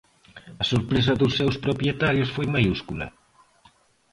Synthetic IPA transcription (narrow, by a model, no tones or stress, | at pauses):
ɐsoɾpɾes̬ɐðʊsːewspɾopɾjet̪aɾjʊsfojmajuskulɐ̰